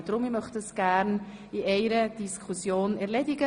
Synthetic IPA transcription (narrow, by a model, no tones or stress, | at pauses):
d̥ɾʊmɪmœχtəsɡ̥æɾn | iɛɪɾəd̥iskʰχusjoːnɛɾlɛdɪɡə